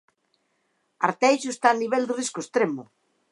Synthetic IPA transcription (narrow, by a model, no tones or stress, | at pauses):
a̰ɾt̪ɛjʃoest̪aniβ̞ɛld̪ɪriskoest̪ɾemʊ